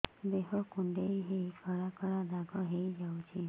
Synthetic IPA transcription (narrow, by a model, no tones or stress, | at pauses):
d̪eɦɔkuɳɖejɦejkʰɔɽakɔɭad̪aɡɔɦejd͡ʒawt͡ʃʰi